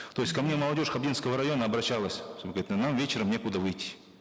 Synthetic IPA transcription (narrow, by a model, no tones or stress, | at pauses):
t̪o̞jsʲkɐmnʲe̞məlˠɐdʲo̞ʂxɐbdʲinskəvəɾɐjo̞nəɐbɾɐɕːalˠəsʲt̪oɡəɾʲit̪namvʲet͡ɕɪɾəmnʲekʊd̪avɨjtʲːi̥